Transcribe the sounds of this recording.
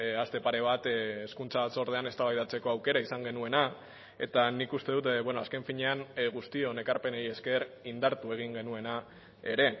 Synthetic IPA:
ast̪e̞paɾe̞β̞at̪eskunt͡saat͡so̞ɾð̞e̞ane̞st̪aβajðat͡se̞ko̞awke̞ɾaisaŋɡe̞nue̞na | e̞t̪anikust̪e̞ðut̪βwenoaske̞ɱfiɲe̞anɣust̪io̞ne̞kaɾpe̞neje̞ske̞rind̪aɾt̪ue̞ɣ̞iŋɡe̞nue̞na | e̞ɾe̞

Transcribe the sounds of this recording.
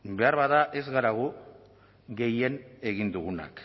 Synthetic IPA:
be̞aɾβaðaʔe̞zɣaɾaɣ̞u | ɡe̞je̞ne̞ɣind̪uɣuna̰k

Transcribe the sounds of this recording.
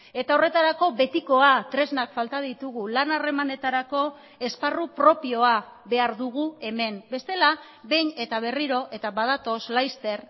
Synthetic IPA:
e̞t̪ao̞re̞t̪aɾako̞βe̞t̪iko̞at̪ɾe̞znakfalt̪að̞it̪uɣ̞ulanare̞mane̞t̪aɾako̞ | e̞sparupɾo̞pio̞aβe̞aɾðuɣ̞ue̞me̞mbe̞st̪e̞la | βe̞jne̞t̪aβ̞e̞riɾo̞ʔe̞t̪aβað̞at̪o̞slajst̪e̞ɾ

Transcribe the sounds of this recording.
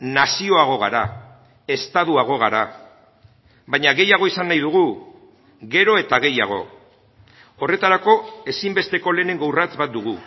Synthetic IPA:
nasio̞aɣ̞o̞ɣ̞aɾa̰ | e̞st̪aðuaɣ̞o̞ɣ̞aɾa | βajɲaɣe̞jaɣ̞o̞isanːajðuɣ̞u | ɣe̞ɾo̞e̞t̪aɣe̞jaɣ̞o̞̰ | o̞re̞t̪aɾako̞e̞simbe̞st̪e̞ko̞le̞ːne̞ŋɡawrat͡sbat̪̚d̪uɣ̞u

